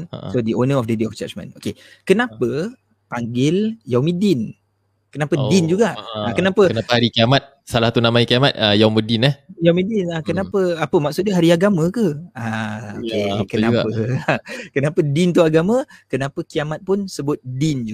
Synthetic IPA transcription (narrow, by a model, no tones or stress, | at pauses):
sodionəɔfdədiɔft͡ʃa̰t͡ʃmə̰̃no̰kekənapə | paŋɡɪljawmidɪn | kənapədɪnd͡ʒuɡaʔakənapəənaahaɾikiamat̪̚salaht̪unamajkiamat̪̚əjawmədinahjawmĩdɪnakənapəapəmak̚sut̪̚əɦaɾiaɡamə̃kəaokekənaə | kənapədɪnt̪uaɡamə̃kənapəkiamat̪̚pʊnsəbʊt̪̚dɪnd͡ʒu